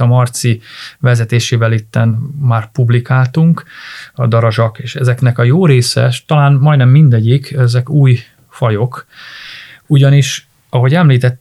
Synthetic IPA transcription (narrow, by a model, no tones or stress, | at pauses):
ɒmɒrt̪sivɛzɛt̪eːʃeːvɛlit̪ːɛnmaːrpublikaːlt̪uŋkɒ̰d̪ɒɾɒʒɒkeːʃɛzɛknɛkɒjoːɾeːsɛ̰ʃt̪ɒlaːnmɒjnɛmːind̪ɛɟikɛzɛkuːj | fɒjo̞k | uɟɒniʃ | ɒɦo̞ɟɛmliːt̪ɛt̪ː